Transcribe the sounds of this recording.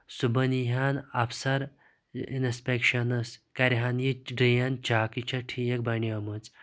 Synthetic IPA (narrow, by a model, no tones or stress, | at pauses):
subɐniɦanɐpʰsɐɾ | ḭnspʲekʃɐnɐskɐɾɦanjiɖijant͡ʃaːkit͡ʃʰaʈʰijek̚bɐɳiɐmɐt͡s